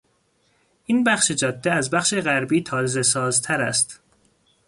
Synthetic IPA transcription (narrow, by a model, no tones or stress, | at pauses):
ʔiːnbæxʃed͡ʒɒːd̪ːeæzbæxʃeɣæɾbiːt̪ʰɒːzesɒːzt̪ʰæɾæst̪